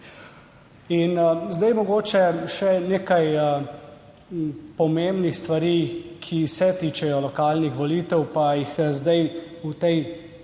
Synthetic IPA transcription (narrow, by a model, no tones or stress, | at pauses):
inzd̪ajmɔɡoːt͡ʃɛʃɛneːkajə | pɔmembnixst̪ʋaɾikʰisɛt̪iːt͡ʃɛjɔlɔkaːlnixʋɔliːt̪ɛwpajixzd̪aj | ut̪ɛj